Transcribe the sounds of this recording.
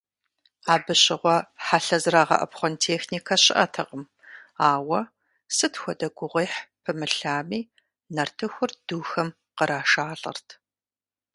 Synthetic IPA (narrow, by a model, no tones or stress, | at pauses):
aːbɨɕɪʁʷɔħaɬɐzraːʁɐ̰ʔɐ̰pχʷɔntʰeːxniːkʰɐɕɪʔɐtʰɐqʼəm | aːwɐ | sɨtxʷɔdɐɡʷʊʁʷiːħpʰɨmɨɬaːmiː | nɐrtʰɨxʷʊrd̥uːxɐm | qəɾaːʃaːɮʼɐ̰rtʰ